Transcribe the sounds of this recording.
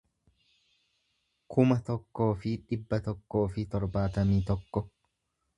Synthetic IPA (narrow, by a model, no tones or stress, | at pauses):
kʰʊmɐt̪ɔkːo̞ːfɪᶑɪbːɐt̪ɔkːo̞ːfɪt̪ɔɾbaːt̪ɐmiːt̪ɔkːɔ